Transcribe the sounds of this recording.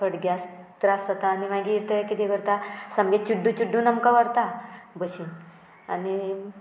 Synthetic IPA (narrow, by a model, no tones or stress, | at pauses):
pəɽɡas | t̪ɾasət̪aːnimaɡiːɾt̪əkit̪ikəɾt̪asamɡet͡ɕuɖːũt͡ɕuɖːũnəmkaʋəɾt̪abəɕin | a̰ni